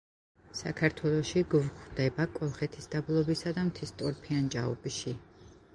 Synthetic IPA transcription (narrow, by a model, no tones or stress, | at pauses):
sa̰kʰaɾt̪ʰwɛlˠɔʃiɡvχd̪ɛbakʼɔlˠχɛt̪ʰisd̪̥ablˠɔbisad̪amt̪ʰist̪ʼɔɾpʰiant͡ʃʼaɔ̰bʃi